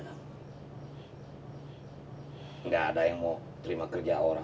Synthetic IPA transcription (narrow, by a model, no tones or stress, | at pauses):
ŋɡaːdajaŋmɔ | t̪əɾimakərd͡ʒaoɾa